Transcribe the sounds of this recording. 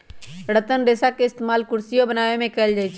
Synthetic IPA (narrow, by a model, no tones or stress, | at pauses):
ɽət̪ənɾeːsakeɪst̪emaːlkʊɾsijobənaːʋemẽkɛld͡ʒaːɪt͡ʃʰ